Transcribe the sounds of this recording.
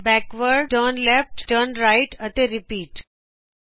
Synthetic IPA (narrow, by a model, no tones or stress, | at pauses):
bɛkʋəɾɖʈəːnlɛfʈʈəːnɾaɪʈət̪eɾipiːʈ